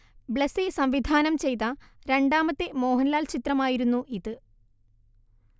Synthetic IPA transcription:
bɭesisɐmʋid̪ʱaːnɐmt͡ɕe̞jt̪̬ːɐɾe̞ɳɖaːmɐt̪ːemo̞ːɦɐnɐlaːlt͡ɕit̪rɐmaːjiɾunːuʔiðɨ

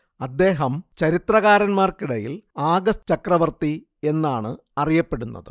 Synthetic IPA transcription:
ɐd̪ːe̞ːɦɐmt͡ɕɐɾit̪rɐɣaːɾɐnmaːrkiɽɐjḭlaːɡɐst͡ɕɐkrɐʋɐrt̪i | e̞nːaːɳɨ | ɐrijɐpːe̞ɽunːɐ̰ðɨ̰

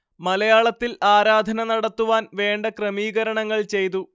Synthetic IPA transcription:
mɐlɐjaːɭɐt̪ːilaːɾaːd̪ʱɐnɐnɐɽɐt̪ːuʋaːnʋe̞ːɳɖɐkrɐmiːɣɐɾɐɳɐŋːɐɭt͡ɕe̞jt̪̬u

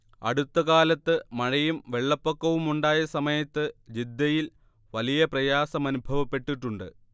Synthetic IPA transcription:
ɐ̰ɽut̪ːɐkaːlɐt̪ːɨmɐɻɐjumʋe̞ɭːɐpːokːɐʋumuɳɖaːjɐsɐmɐjɐt̪ːɨd͡ʑid̪ːɐjil | ʋɐlijɐprɐjaːsɐmɐnubʱɐʋɐpːe̞ʈːiʈːuɳɖɨ̰

